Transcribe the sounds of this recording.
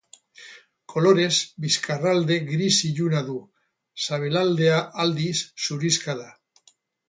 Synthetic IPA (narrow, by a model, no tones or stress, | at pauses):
kʰo̞lo̞ɾe̞zbiskarald̪e̞ɡɾisiʎunaðu | saβe̞lald̪e̞aʔald̪isːuɾiskaða